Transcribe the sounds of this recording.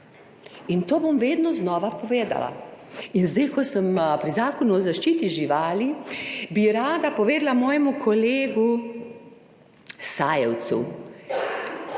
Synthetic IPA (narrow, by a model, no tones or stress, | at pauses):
int̪oːbomʋeːd̪nɔznɔːʋapɔʋeːd̪a̰la̰inzd̪ajkɔsəmpɾizaːkɔnuɔzaʃt͡ʃiːt̪iʒiʋaːlibiɾaːd̪apɔʋeːd̪lamɔːjɛmukʰɔleːɡu | saːjɛwt̪sṵ